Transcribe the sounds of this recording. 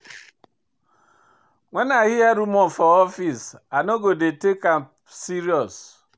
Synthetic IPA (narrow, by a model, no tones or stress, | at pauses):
ŋʷenaɣɪjaɾumɔfɔɔfisanoɡodetekamp | siɾiɔs